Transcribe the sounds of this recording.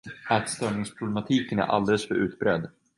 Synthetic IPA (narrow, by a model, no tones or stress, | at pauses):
æt̪st̪œːɳɪŋspʰɾʊblɛmat̪ʰiːkənæ̰ɾʔa̰ld̪ɛləsfœɾʉ̟ːt̪bɾɛd̪